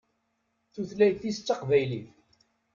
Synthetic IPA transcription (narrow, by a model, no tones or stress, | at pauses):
θuθlæjθist͡sːɑqvæjliθ